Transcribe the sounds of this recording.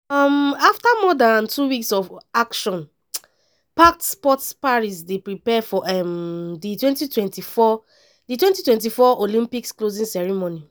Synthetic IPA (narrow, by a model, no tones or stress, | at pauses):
ɔmaftamɔdãntʰuwiksɔvakʃɔ̃n | paktspɔtspaɹis̬depɹipɛfɔʔɛmditwɛ̃ntitwɛ̃ntifɔ | ditwɛ̃ntitwɛ̃nt̬ifɔolĩmpiksklozĩnsɛɹimoni